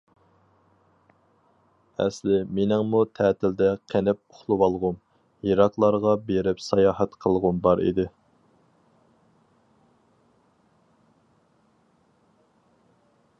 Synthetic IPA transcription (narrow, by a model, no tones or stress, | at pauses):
ɛ̰slɪmenɪŋmut̪ʰɛːt̪ʰɪld̪ɛqʰenɪp̚ʊχlˠuwɑlˠʁʊm | jiɾɑqlˠɑɾʁɑbeɾɪpsɑjɑːɦɛt̪qʰəlˠʁʊmbɑɾḭd̪ɪ